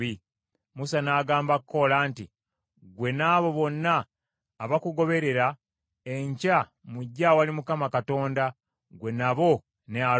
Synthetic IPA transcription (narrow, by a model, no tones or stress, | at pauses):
i | musanaːɡaːmbakko̞laːnti | ɡwe̞naːβo̞βo̞nːaː | βakuɡo̞βe̞ɾe̞ɾa | e̞ɲcamuɟːawalimukamakato̞ːnda | ɡwe̞naβo̞ | nea